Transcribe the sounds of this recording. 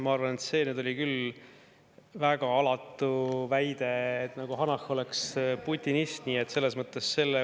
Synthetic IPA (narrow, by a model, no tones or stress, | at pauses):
mɑɑrvɑne̞t̪se̞ːned̪̥o̞likyl | væɡ̥ɑɑlɑt̪ːˑuvæjd̪̥e̞ːt̪ːˑnɑɡ̥uɦɑnɑxo̞leksput̪ʲːˑinist̪niːet̪ːse̞lːe̞smɤt̪ˑːe̞sːe̞lːe